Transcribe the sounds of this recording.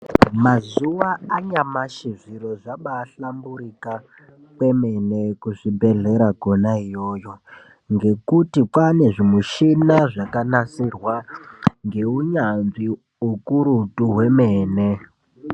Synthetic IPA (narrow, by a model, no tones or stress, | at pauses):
mazuwaːɲamaʃiʐiɾoʐaɓaɬambuɾika | kwe̞menekuʐibʱeɮe̞ɾaɡʱonaijoːjo̞ | ŋɡe̞kutikwane̞ʐimuʃinaʐakanasirwaŋɡe̞uɲanvi | ukuɾutuɦwe̞meːne